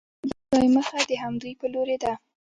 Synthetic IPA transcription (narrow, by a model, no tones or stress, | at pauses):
d̪zɑjməxad̪əɦamd̪ujpəloɾed̪a